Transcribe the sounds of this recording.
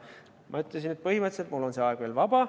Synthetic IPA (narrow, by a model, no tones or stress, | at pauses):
mʔɑyt̪ˑles̬inet̪̚pɤhimɤt̪selt̪mulːo̞nseɑeɡ̥ve̞ːlvɑb̥ɑ